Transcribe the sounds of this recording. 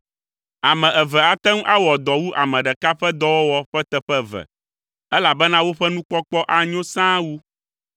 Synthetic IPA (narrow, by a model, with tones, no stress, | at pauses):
a˨mɛ̃˨ʔɛ˨vɛ˨a˦t̪ɛ˦ŋ˦ʔa˦wɔ˨d̪ɔ˨wu˦ʔa̰˨mɛ̃˨ɖɛ˨ka˦ɸɛ˦d̪ɔ˦wɔ˦wɔ˦ɸɛ˦t̪ɛ˨ɸɛ˦vɛ̰˨ | ɛ˦la˨bɛ˦nã˦wo˦ɸɛ˦nũ˦k͡pɔ˦k͡pɔ˦ʔa˦ɲõ˦sã˦wu˦